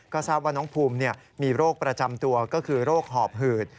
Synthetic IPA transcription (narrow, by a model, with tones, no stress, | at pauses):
kɔː˥˩saː˥˩p̚waː˥˩nɔː˦˥ŋpʰuː˧mni˥˩ɐmiː˧ɾoː˥˩k̚pɾa˧t͡ɕa˧mt̪u˧ɐkɔː˥˩kʰɯː˧ɾoː˥˩k̚ɦɔː˨˩p̚ɦɯː˨˩t̪̚